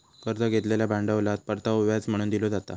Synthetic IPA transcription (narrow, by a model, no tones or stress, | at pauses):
kəɾd̪əɡʱet̪leljabaɳɖəʋlat̪̚pəɾt̪auʋjat͡sm̤əɽ̃uːnd̪ilod͡zat̪a